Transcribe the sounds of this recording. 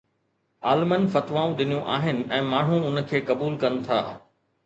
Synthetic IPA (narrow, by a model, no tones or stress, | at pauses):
aːlmənfɐt̪ʋaːũɗɪnijũʔa̰ːɦɪnɪ̆ɛ̃ːmaːɳ̤ũʊnə̆kʰeːkɐbuːlkɐnɪ̆t̪ʰa̰ː